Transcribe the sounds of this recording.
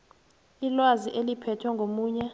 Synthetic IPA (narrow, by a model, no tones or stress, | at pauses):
ilwaziʔelipʰɛtʰwɛŋɡʱomuːɲɛ